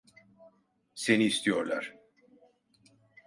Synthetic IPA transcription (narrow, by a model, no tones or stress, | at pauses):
se̞niːst̪ʰijo̞ɾlˠaɾ̥